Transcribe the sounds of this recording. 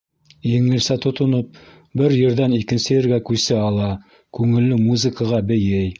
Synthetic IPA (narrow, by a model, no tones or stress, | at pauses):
jɘ̆ŋɘ̆lsæt̪ŏt̪ŏnop̚ | bɘɾjɘ̆ɾðænikɘ̆nsɘjɘ̆ɾɡækʉsɘɑlˠɑ | kʉŋɘ̆lːɘmuzɘ̆kəʁɑbɘ̆jɘj